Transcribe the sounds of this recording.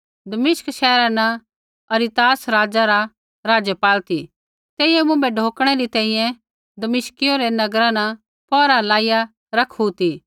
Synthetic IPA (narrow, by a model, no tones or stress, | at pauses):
d̪ɐmɪʃkʃɛːɾana | ɐɾit̪aːsɾaːd͡ʒaɾa | ɾaːd͡ʒəpaːlt̪i | t̪ɛːɪɛmʊ̃mbɛɖʱoːkɽ̃ɛɾit̪ɛ̃ːĩjɛ̃ | d̪ɐmɪʃkɪjoɾenɐɡɾana | pɔːɾalaːɪja | ɾɐkʰut̪iː